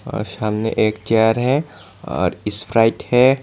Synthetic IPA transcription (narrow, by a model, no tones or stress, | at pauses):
ɔ̰ːɾsaːmnḛʔeːkt͡ʃɛjəɾɦɛ | ɔ̰ːɾɪspʰɾaɪʈhɛ